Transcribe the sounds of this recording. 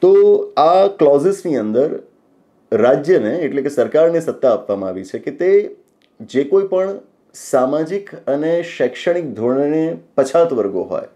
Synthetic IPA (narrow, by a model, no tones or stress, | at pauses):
t̪oaklɔzɪsniənd̪əɾ | ɾad͡ʒjəneːʈlekesəɾkaɾnesət̪ːaːpʋamãaʋit͡ʃʰeket̪e | d͡ʒekoipəɳ | samad͡ʒikəneʃɛkʃəɽ̃ik̚d̪ʱoɳenepət͡ʃʰat̪ʋəɾɡo̰ɦo̰j